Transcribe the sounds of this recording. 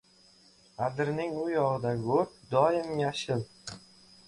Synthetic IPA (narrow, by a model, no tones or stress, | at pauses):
ad̪ɪɾnɪŋʊjɒʁɨd̪aɡɵp̚d̪ɒjɪmjaʃɪl